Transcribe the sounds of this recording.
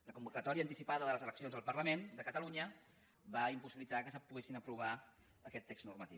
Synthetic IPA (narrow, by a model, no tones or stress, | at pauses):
ləkumbukət̪ɔɾiəːnt̪isipaðəðələzələksionzðəlˠpəɾləmend̪əkət̪əluɲə | baimpusiβilit̪akəsəpuɣesinəpɾuβ̞a | əkɛt̪ːeksnurmət̪iw